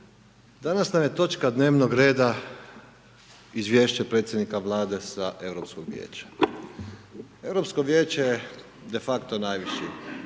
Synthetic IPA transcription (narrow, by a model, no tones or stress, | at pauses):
d̪anasnamjet̪o̞t͡ʃkad̪ne̞ːʋnoɡɾe̞ːd̪a | izʋʲjeːʃt͡ɕepɾet̪sjed̪nikaʋlˠaːd̪e̞saʔe̞ʋɾopskoɡʋjḛːt͡ɕḁ | e̞ʋɾo̞psko̞ʋjeːt͡ɕeje | d̪e̞fakt̪o̞najʋiʃji